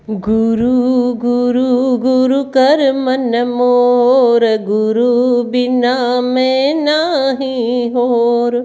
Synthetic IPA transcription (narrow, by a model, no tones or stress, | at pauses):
ɡuɾuɡuɾuɡuɾukɐɾmɐnmoɾeɡʊɾubɪnamẽnaɦĩɦoːɾ